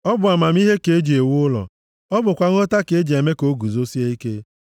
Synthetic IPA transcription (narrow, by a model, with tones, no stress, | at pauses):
ɔ˦bʊ˨a˨ma˨m˦i˦ɦe˦ke˨˦d͡ʒi˨e˨wʊ˦ʊ˦lɔ̰˨ | ɔ˦bʊ˨kʷa˨ŋo˦ta˦ke˨e˦d͡ʒe˨me˦ko˨˦ɡu˨zo˦si˦e˦i˦ke˦